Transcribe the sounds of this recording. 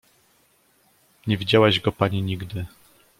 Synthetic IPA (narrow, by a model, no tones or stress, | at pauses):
ɲɛvʲid͡ʑawaʑɡɔpaɲiɲiɡd̪ɘ